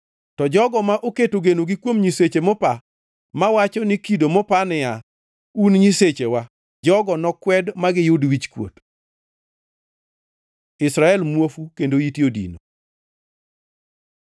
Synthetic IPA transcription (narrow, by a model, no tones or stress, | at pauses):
tɔd͡ʒɔɡɔmaʔoketoɡenoɡikwomɲiset͡ʃemɔpa | mawat͡ʃɔnɪkidomɔpanɪja | unɲiset͡ʃewa | d͡ʒɔɡɔnɔkwɛdmaɡɪjʊdwit͡ʃkwo̰t | ɪsɾaɛlmwofukendoitjodḭno